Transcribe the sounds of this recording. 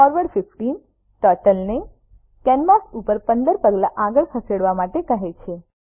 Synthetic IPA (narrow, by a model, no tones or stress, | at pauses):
ɔɾʋəɖfɪfʈin | ʈəʈəlne | kɛnmasupəɾpənd̪əɾpəɡlaʔaɡəɭkʰəseɽʋamaʈekəɦet͡ʃʰe